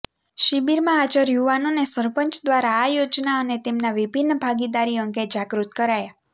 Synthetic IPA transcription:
ʃibiɾmãːd͡ʒəɾjuʋanonesəɾpəɲt͡ʃd̪ʋaɾaːjod͡ʒnaənet̪emnaʋibʱinːbʱaɡid̪aɾiəŋɡed͡ʒaɡɾut̪kəɾaja

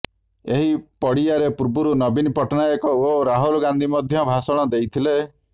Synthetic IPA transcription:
eɦipɔɽiaɾepuɾbuɾunɔbinipɔʈɔnajɔkɔoɾaɦulɡand̪ʱimɔd̪ʱjɔbʱasɔɽ̃ɔd̪ejt̪ʰile

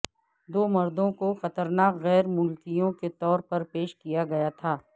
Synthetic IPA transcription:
d̪oːmɐɾd̪õkoxɐt̪əɾnaːkɣɛːɾmʊlkijõket̪ɔːɾpɐɾpeːʃkijaɡɐjat̪ʰaː

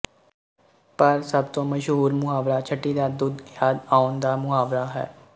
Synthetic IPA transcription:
pəɾsəb̚t̪õːməʃɦuːɾmʊɦaːbɾaːt͡ʃʰəʈːiːd̪aːd̪ʊd̪jaːd̪aːʊnd̪aːmʊaːbɾaːɦɛ̰ː

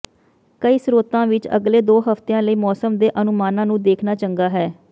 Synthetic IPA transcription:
kəiːsɾoːt̪ãːʋɪt͡ʃə̰ɡleːd̪oːɦəft̪ejãːləiːmɔːsəmd̪eːʔənʊmaːnãːnũːd̪eːkʰnaːt͡ʃəŋɡaːɦɛː

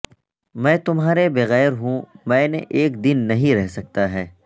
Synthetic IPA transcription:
mɛ̃ːt̪ʊmɦaːɾebɐɣɛːɾɦũmɛ̃ːneʔeːkd̪ɪnːɐɦĩɾɛɦsɐk̚t̪aɦɛː

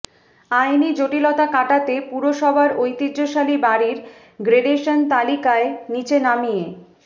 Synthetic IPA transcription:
ajnid͡ʑoʈilɔt̪akaʈat̪epuɾoʃɔbʱaɾojt̪iːoʃalibaɾiɾ | ɡɾeɖeʃont̪alikaenit͡ɕenamije

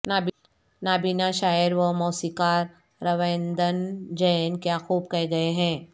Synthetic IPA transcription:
naːb | naːbiːnaʃaːɪɾʋəmɔːsiːkaːɾː | ɐʋẽːnd̪ənd͡ʒɛːnkjaːxuːbkɛɦɡɐeɦɛ̃ː

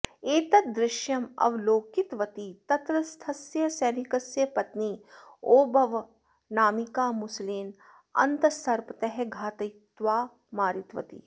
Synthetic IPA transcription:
eːt̪ɐt̪̚d̪ɾɪʃjɐmɐ̰ʋloːkit̪ʋɐt̪it̪ɐt̪ɾɐst̪ʰɐsjɐsɛːnikɐsjɐpɐt̪niː | oːbɐʋ | naːmikaːmʊsliːn | ɐ̰nt̪ɐsɐɾpɐt̪ɐɦeɡʱaːt̪ɐjt̪ʋaː | maːɾit̪ʋɐ̰t̪ḭ

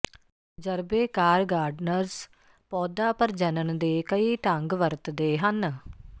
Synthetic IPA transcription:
d͡ʒəɾbeːkaːɾɡaːɾɖnəɾs | pɔːd̪aːpəɾd͡ʒənəɳd̪eːkəiːʈə̃ŋɡʋəɾt̪d̪eːɦən

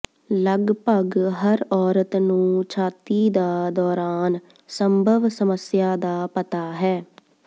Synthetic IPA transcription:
ləɡpəɡɦəɾɔːɾət̪nũːt͡ʃʰaːt̪iːd̪aːd̪ɔːɾaːn | səmbʱəʋsəməsjaːd̪aːpət̪aːɦɛː

